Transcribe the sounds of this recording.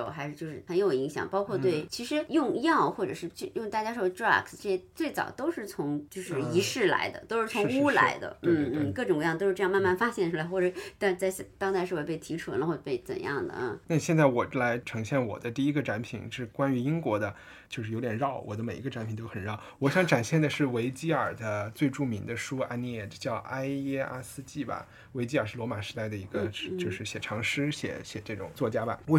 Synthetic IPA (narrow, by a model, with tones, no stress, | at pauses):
o˥˩ʊxa˧˥ɪʂɻ̩˥˧t͡ɕjo˥˧ʊʂɻ̩˥˩xə˧˥njo˨˩ʊi˧˥ŋɕjɑ̰˨˩ŋpɑ˥ʊkʰwɔ˥˧t̪we˥˩ɪt͡ɕʰi˧˥ʂɻ̩˧˥jʊ˥˧ŋjɑ˥˧ʊxwɔ˥˩ʈ͡ʂɤ˨˩ʂɻ̩˥˧t͡ɕo˥˧˩jʊ˥˧ŋt̪a˥˧˩t͡ɕja˥ʂʈ͡ʂɹa̰˥˩kʰsʈ͡ʂɤ˥˩ɕɛ˥t͡swe˥˩ɪt͡sɑ̰˨˩ʊt̪o˥ʊʂɻ̩˥˩t͡sʰʊ˧˥ŋt͡ɕjo˥˧ʊʂɻ̩˥˩i˧˥ʂɻ̩˥˩la̰˧˥ɪd̪ə̰˧t̪o˥ʊʂɻ̩˥˩t͡sʰʊ˧˥˧ŋu˥la̰˧˥ɪd̪ə̰˧n̩˥˩n̩˥˩kɤ˥˩ʈ͡ʂʊ˨˩ŋ˧jɑ˥˧ŋt̪o˥ʊʂ̩˥˧˥jma˥˧nma˥˩nfa˥ɕjɛ˥˩nʈ͡ʂʰu˥la˧˥ɪxwɔ˥˩ʈ͡ʂɤ˨˩ʂt̪a˥˧t͡sa˥˧ɪɕt̪ɑ˥ŋt͡sa˥˧ɪʂɻ̩˥˧wpe˥˩ɪt̪ʰi˧˥ʈ͡ʂʰu˨˩˥lə˧xwɔ˥˧˩pe˥˩ɪt͡sə̰˨˩njɑ̰˥˩ŋd̪ə̰˩na˥˧ɕjɛ˥˧nt͡sa˥˩ɪwɔ˨˩la˧˥ɪʈ͡ʂʰɤ˧˥ŋɕjɛ˥˩nwɔ̰˨˩d̪ə˦t̪i˥˩i˥ɡə˧ʈ͡ʂa˧˥npʰi˨˩˦ŋʂɻ̩˥˩kwa˥ny˧˥i˥ŋkwɔ˧˥d̪ə˧ | t͡ɕjo˥˧ʊʂɻ̩˥˩jo˧˥ʊt̪jɛ˨˩ɻɑ˥˩ʊwʔɔ˨˩d̪ə˦me˨˩ɪi˧˥ɡə˧ʈ͡ʂa˧˥npʰi˨˩ŋt̪o˥ʊxə˨˩nɻɑ˥˩ʊwɔ˨˧˥ɕjɑ˧˥ŋʈ͡ʂa˨˩nɕjɛ˥˩nd̪ə˩ʂɻ̩˥˩we˧˥ɪt͡ɕi˥ə˞˨˩d̪ə˦t͡swe˥˧ɪʈ͡ʂu˥˩mi˧˥ŋd̪ə˧ʂu˥a̰˥ni˥˩ɛ˥˩t͡ɕjɑ˥˩ʊʔa˥ɪjɛ˥a̰˥sɹ̩˥˧t͡ɕi˥˩bɐ̰˩ | we˧˥ɪt͡ɕi˥ə˞˨˩ʂɻ̩˥˩lwɔ˧˥ma˨˩ʂɻ̩˧˥t̪a˥˩ɪd̪ə˩i˧˥ɡə˧t͡ɕjo˥˧ʂɻ̩˥˩ɕjɛ˨˩ʈ͡ʂʰɑ˧˥ŋʂɻ̩˥ɕjɛ̰˧˥˦ɕjɛ˨˩ʈ͡ʂɤ˥˩ʈ͡ʂʊ̰˨˩ŋt͡swɔ˥˩t͡ɕja˥bɐ̰˨˩wɔ˧˥